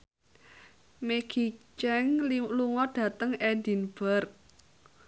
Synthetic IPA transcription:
meɡ̥i̤t͡ʃɛŋluŋɔɖ̥a̤t̪əŋedi̤nb̥ərk

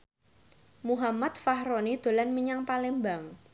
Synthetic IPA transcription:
muɦamat̪̚fahɾonid̪̥o̤lanməɲaŋpalɪmbaŋ

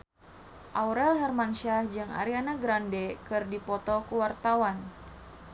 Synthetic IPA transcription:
ʔawɾɛlɦɛrmanʃahd͡ʒɨŋa̰ɾianaɡɾandɛkɨrdipɔt̪ɔkuwart̪awan

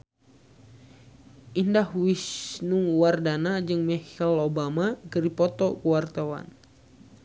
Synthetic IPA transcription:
ʔindahwisnuŋwardanad͡ʒɨŋmɛhɛlobamakəɾipɔt̪ɔkuwart̪awa̰n

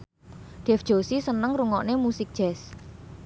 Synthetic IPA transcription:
ɖ̥ɛ̤fd̥ʒ̥o̤sisənəŋɾuŋɔʔnemusik̚d̥ʒ̥ɛs

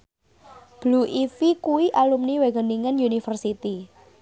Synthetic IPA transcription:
b̥luʔifikuwiʔalumniweɡə̤niŋənjunifərsit̪i

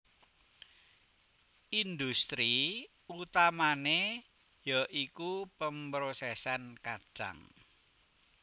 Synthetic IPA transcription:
ind̪ust̪ɾi | ut̪amane | jaʔikupəmbɾosɛsankad̥ʒ̥a̰ŋ

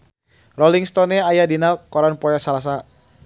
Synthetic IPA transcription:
rɔliŋst̪ɔnɛajadinalkɔɾanpɔjɔsalas̬a

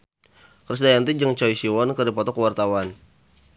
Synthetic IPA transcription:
krəs̬dajant̪id͡ʒəŋt͡ʃɔisiwɔnkərdipɔt̪ɔkəwart̪awan

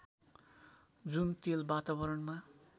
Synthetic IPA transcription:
d͡zunt̪elbat̪abʌɾʌnma

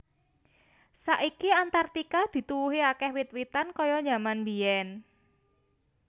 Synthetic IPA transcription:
saʔikiant̪art̪ikad̪̥i̤t̪uwuɦiakɛhwit̪̚wit̪ankɔjɔɲamanbiɛn

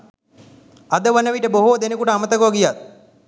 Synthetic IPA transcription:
ad̪əʋənəʋiʈəboɦod̪enəkuʈəamət̪əkoɡijat̪̚

